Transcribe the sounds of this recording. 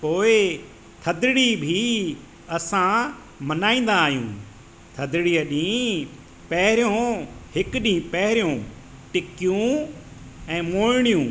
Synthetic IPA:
poːɪ | t̪ʰɐd̪ɪɽibʱi | ɐsã | mɐnaːĩːn̆d̪aːɦjṵ̃ː | t̪ʰɐd̪ɪɽiəɗĩː | pɐɦɪɾjõhɪkɗĩːpɐɦɪɾijõ | ʈɪkijũ | ɛ̃ːmoːɪɽ̃ijũː

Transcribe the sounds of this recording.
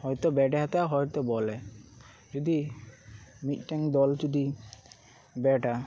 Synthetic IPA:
hɔjt̪ɔbɛɖɛɦat̪aɦɔjt̪ɔbɔlɛ | d͡ʒud̪i | mit̪̚ˀʈɛŋd̪ɔld͡ʒud̪i | bɛʈa

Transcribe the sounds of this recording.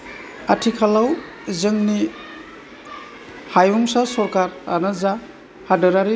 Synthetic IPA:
atʰikʰalaw | zɯŋni | hajuŋsasɔɾkaɾa̰naza | hadɯɾaɾi

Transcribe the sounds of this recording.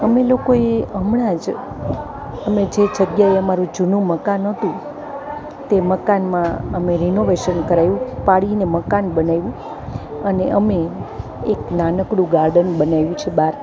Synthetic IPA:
əmelokoeəmɽãd͡ʒ | əmed͡ʒed͡ʒəɡjaeəmaɾũd͡ʒunũməkanɦət̪ũ | t̪eməkanmãəmeɾinoʋeʃənkəɾajũpaɽineməkanbənajũ | əneʔəme | eknanəkɽũɡaɾɖənbənajũt͡ʃʰebaɾ

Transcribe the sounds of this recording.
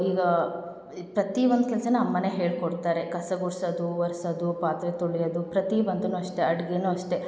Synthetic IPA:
iːɡɐ | pɾɐt̪iʋond̪ukɛlsɐnuɐmːɐneɦe̞ːɭkoɽt̪aːɾe̞kɐsɐɡuɽsɐd̪uʋɐɾsɐd̪upaːt̪ɾet̪uɭijɐd̪upɾɐt̪iʋɐnd̪unuɐʂʈe̞ɐɽɡeːnuːɐʂʈe̞

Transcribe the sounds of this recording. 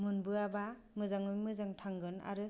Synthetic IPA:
mɯnbɯaba | mɯzaŋmɯjmɯzaŋtʰaŋɡɯna̰ɾɯ

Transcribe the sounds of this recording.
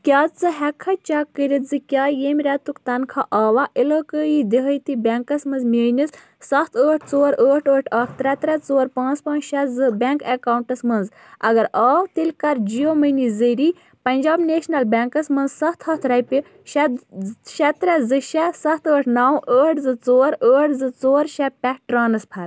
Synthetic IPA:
kʲaːt͡sɨɦɛkʰɐt͡ʃakəɾʲit̪zɨkʲaːjeːmʲɾʲɛt̪ukt̪ɐnkʰaʔaːʋaʔiləːkəːjid̪iɦəjt̪ibʲɛŋkɐsmɐnzmʲeːnʲis | sɐht̪ʰəːʈʰt͡soːɾəːʈʰəːʈʰɐkʰt̪ɾɛt̪ɾɛt͡soːɾpãːt͡spãːt͡ʃʃɛzɨbʲɛŋkekaːuɳʈɐsmɐnz | ɐ̰ɡɐɾaːt̪ilʲkɐɾd͡ʒijoːmɨnizɨɾi | pɐnʲd͡ʒaːbneːʃnɐlbʲɛːŋkɐsmɐnzsɐht̪ʰhɐht̪ɾɐjpʲi | ʃɛʃɛt̪ɾɛzɨʃɛsɐht̪əːʈʰnaːwəːʈʰzɨt͡soːɾəːʈʰzɨt͡soːɾʃɛpʲɛkʈɾaːnɐspʰɐɾ

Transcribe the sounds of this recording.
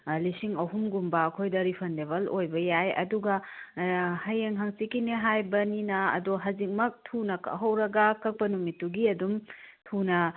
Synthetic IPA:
lisiŋɐɦumɡumbɐːkʰojdɐɾipʰɐndeβɐlojbɐjajɐ̰duɡɐ | hɐjeŋɦaŋsikineɦajbɐninɐɐ̰doɦɐzik̚mɐk̚tʰunɐkʰɐ̰ɦɐwɾɐɡɐkɐk̚pɐnumitːuɡiɐdumtʰunɐ

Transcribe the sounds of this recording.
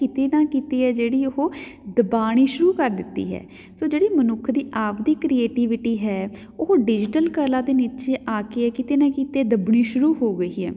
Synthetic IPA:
kɪt̪eːnãːkiːt̪eːɦɛːd͡ʒeːɽiːʊɦoːd̪əbaːɽ̃iːʃʊɾuːkəɾd̪ɪt̪ːḭːɦɛ̰ː | soːd͡ʒeːɽiːmənʊkʰːd̪iːʔaːʋd̪iːkɾieːʈiːʋɪʈiːɦɛː | ʊɦoɖɪd͡ʒɪʈəlkəlaːd̪eːniːt̪t͡ʃeːʔaːkeːɛːkɪt̪eːnãːkiːt̪eːd̪əbɳ̃ĩːʃʊɾuːɦoːɡəiːɦɛ̰ː

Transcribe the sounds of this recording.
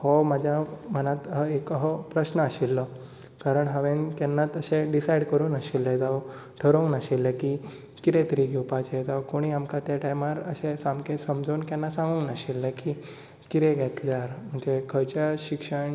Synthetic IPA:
hɔmad͡ʑʱjam̤ənat̪ɦəekɦɔpɾəɕnəaɕilːɔ | kaɾəɳɦəʋẽnk̪ɛnːat̪əɕeɖisajɽkəɾuːnəɕilːed͡zaʋw | ʈʰəɾoŋɡnaɕilːəki | kit̪ẽt̪əɾiːɡʱewpat͡ɕed͡zawkoɽ̃iamkat̪jaʈajmaɾəɕẽsamkesəmd͡zounkjanːasãŋɡuŋɡnaɕilːəki | kiɾẽɡɛt̪d͡zaɾm̤əɳd͡ʑekʰət͡ɕaɕikʂəɳ

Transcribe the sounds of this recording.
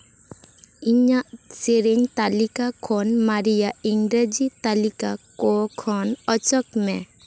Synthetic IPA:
iɲaʔseɾeɲt̪alikakʰɔnmaɾijaiŋɡɾad͡ʒit̪alikakɔkʰɔnɔt͡ʃɔkmɛ

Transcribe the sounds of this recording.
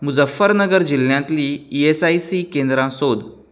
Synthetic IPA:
mud͡zəfːəɾnəɡəɾd͡ʑiljãt̪liːiesajsikẽnd̪ɾãsod̪

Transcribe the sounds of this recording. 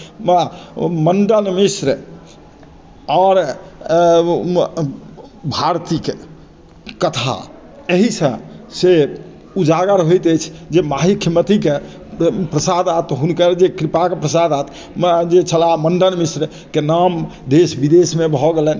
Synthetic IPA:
məɳɖənmisɾ | ɔɾ | bʱaɾt̪ik | kːət̪ʰa̰ | eɦisə̃se | ud͡ʒaɡəɾɦojt̪əjt͡ʃʰd͡ʒemaɦikʰjəmət̪ike | pɾəsad̪at̪ɦunkəɾd͡ʒekɾipakepɾəsad̪at̪ | d͡ʒet͡ʃʰəlaməɳɖənmisɾ | kenamd̪esbid̪esmebʱɔɡelən

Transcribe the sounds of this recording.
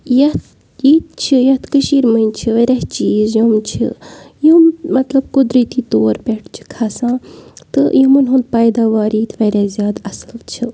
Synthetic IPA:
jɐt̪ | jiːt̪̚t͡ʃʰijɐt̪ʰkɨʃiːɾmɐnʲt͡ʃʰiʋɐɾʲaɦt͡ʃiːzjomt͡ʃʰḭjummɐt̪lɐbkʊd̪ɾit̪iːt̪oːɾpeʈʰt͡ʃʰi̥kʰaːsãːt̪ɨjimɨnɦund̪̚paːjd̪aːʋaːɾiːt̪ʰʋɐɾazjaːd̪ɐsɨlt͡ʃʰi

